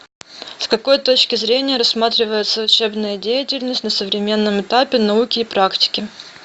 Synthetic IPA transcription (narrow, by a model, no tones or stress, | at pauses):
skɐko̞jt̪o̞t͡ɕkʲɪzɾʲenʲɪjəɾɐsmat̪ɾʲɪvəjɪt̪səʊt͡ɕe̞bnəjədʲejɪtʲɪlʲnəsʲtʲnəsəvɾʲɪmʲe̞nːəmɨt̪apʲɪnɐukʲɪːpɾaktʲɪ̥kʲɪ